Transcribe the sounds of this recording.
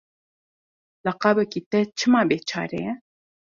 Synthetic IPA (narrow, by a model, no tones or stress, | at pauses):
lɐqɑːbɛkit̪ɛt͡ʃʰɨmɑːbeːt͡ʃʰɑ̰ːɾḛjɛ